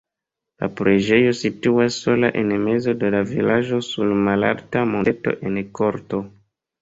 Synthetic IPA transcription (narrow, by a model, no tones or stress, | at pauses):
la̰pɾʔe̞d͡ʒe̞jo̞situasːo̞la̰ʔe̞nme̞zo̞de̞lavilaʒo̞sulmala̰ltamoeto̞̰ʔe̞nko̞ɾto̞